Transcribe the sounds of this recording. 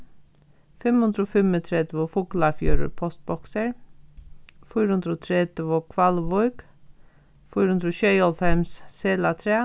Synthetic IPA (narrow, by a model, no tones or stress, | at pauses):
fɛmhʉnd̪ɾoːfɛmət̪ʰɾɛd̪ʋofuːɡlɑfjṵːɾə̰ɾpʰɔst̪̚bɔksəɹ | fyːɾhʉnd̪ɾoːt̪ʰɾɛd̪əʋokʰʋɑlʋɔʏɡ | fyːɾʉnd̪ɾoɕɛjɔlfɛmsseːlat̪ʰɾeː